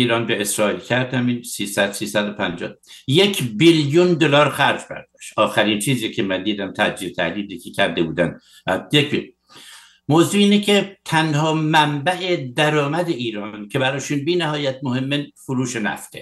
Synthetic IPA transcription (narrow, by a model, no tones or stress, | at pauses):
iːɾɒːnbeesɾɒːilcʰæɾd̪æminsiːsæd̪siːsæd̪opʰænd͡ʒɒ̰ːjecʰbiljund̪olɒːɾxæɾd͡ʒbæ̰ɾd̪̥ɒʃt̪ʔɒːxæɾint͡ʃʰiːziːkcʰemænd̪iːd̪æmt̪ʰæ̰d͡ʒiɾt̪ʰæ̰hliːd̪iːkʲʰecʰæɾd̪ebuːd̪ænd̪ | jekbil | moːzuːiːnecʰet̪ʰænhɒːmæmbæʔed̪æɾɒːmæd̪eʔiːɾɒːncʰe̞bæɾɒːʃunbiːnæhɒːjæt̪̚mohemːenfoɾuːʃenæ̰ft̪ʰe